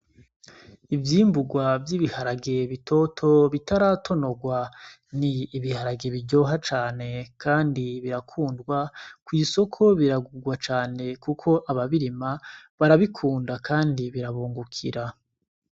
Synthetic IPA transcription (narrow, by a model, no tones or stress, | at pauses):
ivjiːmbuɡwavjiβihaɾaɡe̞βitʰo̞tʰo̞βitaɾaːtʰo̞no̞ɡwa | niːβihaɾaɡe̞βiɟo̞ɦat͡ʃaːne̞kʰaːndiβiɾakʰuːndɡwakwiːso̞kʰo̞βiɾaɡuɡwat͡ʃaːne̞kukʰo̞ʔaβaβiɾimaβaɾaβikʰuːndakaːndiβiɾaβuːŋɡukʰiɾa